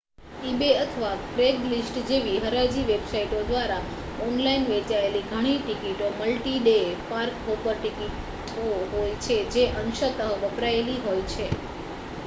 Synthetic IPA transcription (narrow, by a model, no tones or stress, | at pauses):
ibeət̪ʰəʋakɾeɡlisʈd͡ʒeʋiɦəɾad͡ʒiʋebsaiʈod̪ʋaɾa | ɔnlainʋet͡ʃaeliɡʱəɽ̃iʈikiʈoməlʈiɖepaɾkopəɾʈikiʈ | oɦojt͡ʃʰed͡ʒeʔənʃət̪əɦʋəpɾaeliɦojt͡ʃʰe